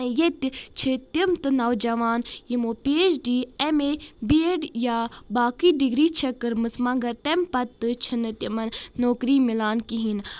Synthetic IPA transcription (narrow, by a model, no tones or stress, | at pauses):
jet̪t͡ʃʰit̪imt̪ɨnɐwd͡ʒɐʋaːnjimoːpeːd͡ʒɖiːemebeːɖjabaːkiɖiɡɾiːt͡ʃʰɐkɨɾmɨsmɐŋɡɐt̪empɐt̪ːɨt͡ʃʰinɨt̪imɐnːoːkɾimilaːnkiɦin